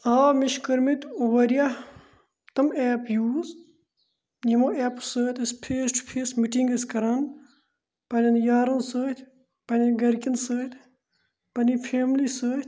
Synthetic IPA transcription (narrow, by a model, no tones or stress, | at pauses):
aːmiʃkɐɾmit̪uʋɐɾija | t̪ɐmeːpjuːz | nimoʔeːpsəːt̪ʲɐspʰeːsʈpʰeːsmiʈiŋɡɐskɐɾaːn | pɐnɐnjaːɾɐnsəːt̪ʲʰ | pɐnʲɐnɡɐɾkʲɐnsəːt̪ʰ | pɐnipʰeːmlisəːt̪ʰʲ